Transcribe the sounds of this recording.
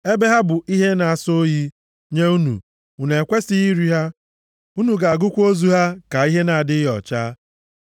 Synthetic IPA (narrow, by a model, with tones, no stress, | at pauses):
e˦be˦ɦa˦bʊ˨ʔi˦ɦe˦na˨a˨so˦ji˦ | ɲe˦u˦nṵ˨ | u˨ne˨kʷe˦si˦i˦ɾi˦ɦa˦ | u˦nu˨ɡa˨ɡʊ˦kʷo˦zu˨ɦa˦ka˨i˦ɦe˦na˨a˨dɪ˦ɦɔ̰˨t͡ʃa˦